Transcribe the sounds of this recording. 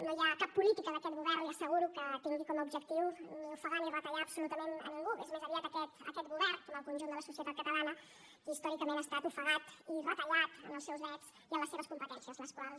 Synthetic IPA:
nojakapːulit̪ikəðəkɛt̪̚ɣuβɛɾniəsəɣuɾukət̪eŋɡikɔməubʒək̚t̪iwniufəɣanirət̪əʎaːbsulut̪əmenə̰niŋɡuḛzmezəβiat̪əkɛt̪ə̰kɛt̪ɡuβɛrkɔməlˠkunʲʒund̪ələsusiət̪at̪kət̪əlanə | kist̪ɔɾikəmenəst̪at̪ufəɣat̪irət̪əʎat̪ə̰nəlˠsɛwzβɾɛt̪z̥ | iəmləseβəskumpət̪ɛnsiəzləskwalˠs

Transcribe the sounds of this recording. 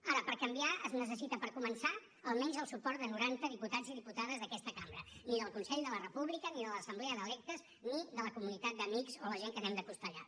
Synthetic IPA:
aɾəpəɾkəmbiaəznəs̬əsit̪əpəɾkumənsa | əlˠmɛnzəlˠsupɔrt̪̚d̪ənuɾant̪əðiput̪ad͡ziðiput̪aðəzðəkɛst̪əkambɾəniðəlˠkunsɛʎd̪ələrəpuβlikəniðələsəmblɛəðəlɛk̚t̪əz | niðələkumunit̪at̪̚d̪əmikzoləʒeŋkənɛmd̪əpust̪əʎa̰

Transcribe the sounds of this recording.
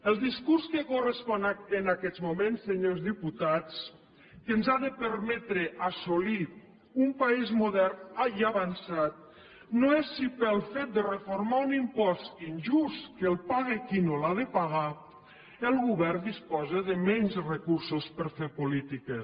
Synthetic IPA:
əlˠd̪iskuɾskəkurəspɔnaənakɛd̪zmumensːeɲozðiput̪at͡s | kənzaðəpəɾmɛt̪ɾəʔasoli | umpaizmuðɛɾnaiaβansat̪̚ | noesːipəlˠfet̪̚d̪ərəfoɾmaunimpɔst̪inʒust̪kəlˠpaɣekinolaðəpaɣ̞a | əlˠɣuβɛɾnd̪ispɔzəðəmɛɲzrekuɾsospəɾfeɾpulit̪ike

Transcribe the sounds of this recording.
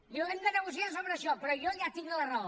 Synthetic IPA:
oemd̪ənəɣusiasoβɾəːʃɔpəɾɔjɔʒat̪iŋd̪ələrɔ

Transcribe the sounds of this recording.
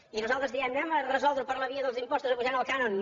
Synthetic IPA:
inuzalˠt̪ɾəzðiɛnnɛmərəzɔlˠd̪ɾupəɾləβiəðəlˠzimpɔsuzəpuʒanəlˠkanon

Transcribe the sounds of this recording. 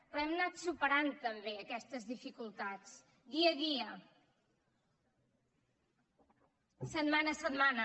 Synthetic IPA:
pɛmnat̪supəɾant̪əmbeəkɛst̪əzðifikulˠt̪at͡s | d̪iəðiə | sət̪manəsəd̪manə

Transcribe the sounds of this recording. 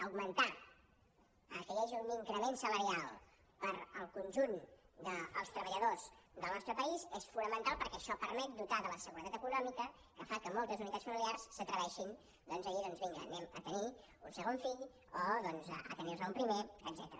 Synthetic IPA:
əwɡmənt̪a | əkəɣɛʒiuniŋkɾəmensələɾialˠ | pəɾəlˠkunʲʒund̪əːlˠst̪ɾəβəʎəðozd̪əlˠnɔst̪ɾəpəizesfunəmənt̪alˠpəɾkɛʃɔpəɾmɛt̪̚d̪ut̪aðələsəɣuɾət̪at̪əkunɔmikə | kəfakəmɔlˠt̪əzunit̪att͡sfəmiliarsːət̪ɾəβɛʃin | d̪ɔnzəiðɔnzβiŋɡə̰nɛmət̪əni | unsəɣ̞onfiʎ | oðɔnzə̰ə̰t̪ənirzəumpɾimeəd̪zɛt̪əɾə

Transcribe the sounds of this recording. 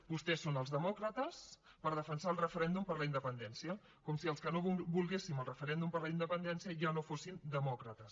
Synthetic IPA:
bust̪ɛsonəlˠzðəmɔkɾət̪əspəɾð̞əfənsaːlˠrəfəɾɛnd̪umpəɾləind̪əpənd̪ɛnsiə | kɔmsiəlˠskənoβulˠɣesiməlˠrəfəɾɛnd̪umpəɾləind̪əpənd̪ɛnsiəʒanofosind̪əmɔkɾət̪əs

